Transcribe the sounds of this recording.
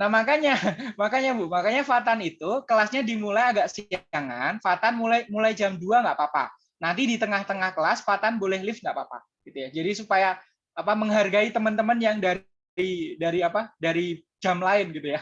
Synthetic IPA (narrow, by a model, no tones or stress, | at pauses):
nahmakaɲamakaɲamakaɲafat̪anit̪ukəlasɲadimulajaɡaʔsiaŋanfat̪anmulajmulajd͡ʒamduaŋɡaʔpapa̰ | nant̪idit̪əŋaht̪əŋahkəlasfat̪anbolɛhlɪfŋɡaʔpapa̰ | ɡ̥it̪ujad͡ʒadisupajaː | paməŋɦarɡait̪əmənt̪əmənjaŋda | idaɾiapadaɾi | d͡ʒamlaɪnɡit̪uja